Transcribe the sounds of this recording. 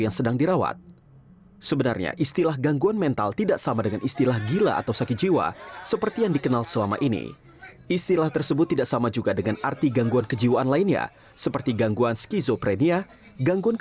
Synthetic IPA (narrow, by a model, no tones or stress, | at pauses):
jaŋsədaŋdiɾawa̰t̪̚ | səbənarɲa̰ʔist̪ilahɡaŋɡuanmɛnt̪a̰lt̪idaʔsamadəŋanist̪ilahɡila̰ʔːt̪awsakit̪̚d͡ʒiwa̰səpərt̪ijaŋdikənalsəlama̰ʔinḭ | ist̪ilaht̪ərsəbʊt̪ːidaʔsamad͡ʒuɡadəŋanʔa̰rt̪iɡaŋɡuankəd͡ʒiwaʔanlainɲa̰ | səpərt̪iɡaŋɡuanskizopɾenia | ɡaŋɡuank